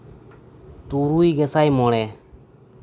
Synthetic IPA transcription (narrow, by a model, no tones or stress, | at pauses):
t̪uɾujɡɛsajmɔɽɛ